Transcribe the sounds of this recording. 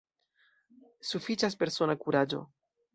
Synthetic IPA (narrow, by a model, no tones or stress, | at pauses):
sufit͡ʃas̬pe̞ɾso̞nakuɾad͡ʒo̞̰